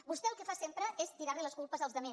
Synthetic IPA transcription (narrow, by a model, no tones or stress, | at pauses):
bust̪ɛəlˠkəfasempɾəest̪iɾaɾliləskulˠpəzəlˠzðəme